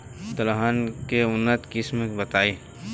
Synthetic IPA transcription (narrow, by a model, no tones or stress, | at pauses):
t̪ɐlɦaːnkeʊnːət̪kɪsmebɐt̪aːiː